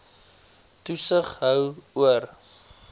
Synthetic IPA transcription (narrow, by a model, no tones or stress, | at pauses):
tusəχɦəwuər